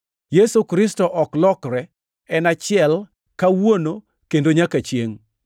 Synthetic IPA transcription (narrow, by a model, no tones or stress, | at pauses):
jesukɾɪstɔʔɔklɔkɾɛ | ɛnat͡ʃɪɛl | kawono | kendoɲakat͡ʃjeŋ